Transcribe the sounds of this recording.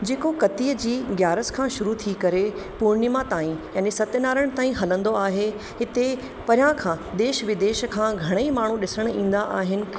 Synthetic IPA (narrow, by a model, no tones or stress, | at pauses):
d͡ʑeːkokɐt̪iːəd͡ʑiːɡjaːɾəskʰãʃʊɾut̪ʰikɐɾe | puɾɳɪmãt̪aːĩjaːnisɐt̪ɪnaːɾəɽ̃̆t̪aːĩɦɐlə̃nd̪oaːɦe | ɦɪt̪e | pɐɾɪjãkʰãːd̪eːʃʋɪd̪eːʃkʰãːɡʱɐɽ̃eimaːɳ̤ũɗɪsəɽ̃ĩːn̆d̪aʔaːɦɪnɪ̆